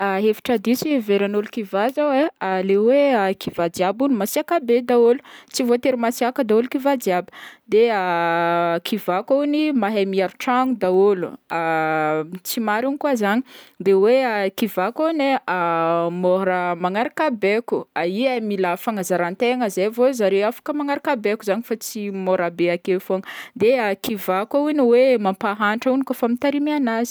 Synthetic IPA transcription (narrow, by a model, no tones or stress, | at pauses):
aɦevi̥ʈ͡ʂad̪isiveɾanulukivazawealeweakʰivad͡ʒiabunimasiakabed̪aolu̥t͡sivot̪eɾimasiakəd̪aulukivadiabə̥d̪ea | kʰivakownimaɦemiaɾuʈ͡ʂaŋud̪aolṵa | t͡simaɾunikuazaɲid̪eweakivakaneamoɾamaŋaɾakabekuaiamilafaŋazaɾant̪eŋəzevozaɾeafḁkəmaŋaɾakabekuzaɲifat͡simoɾabeakefoŋd̪eakivakauniwemampaɦaɳʈ͡ʂaunikafamit̪aɾimianazi̥